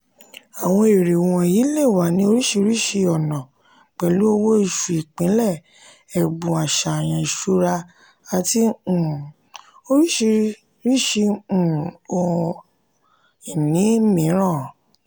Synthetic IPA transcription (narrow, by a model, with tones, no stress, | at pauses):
a˨w̃ɔ̃˧e˨ɾe˨w̃ɔ̃˧ji˨˦le˦˨wa˨˦nĩ˧˦o˧ɾi˦ʃi˧ɾi˦ʃi˧ɔ˨nã˨ | k͡pɛ˨lu˦o˧wo˦i˨ʃu˨i˨k͡pĩ˨˦lɛ˦˨ | ɛ˨ɡ͡bũ˨a˨ʃa˨j̃ã˧i˨ʃo˦ɾa˧ | a˨tĩ˧˨ | o˧ɾi˦ʃi˧ | ɾi˦˨ʃĩ˧˨ | o˧ | i˨nĩ˨˦mĩ˨˦ɾ̃ã˦˨